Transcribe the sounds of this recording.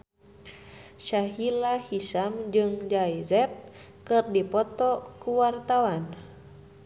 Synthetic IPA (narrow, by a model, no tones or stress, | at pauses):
ʃaɦilahisamd͡ʒɨŋd͡ʒaizɛp̚ | kɨrdipɔt̪ɔkuwart̪awan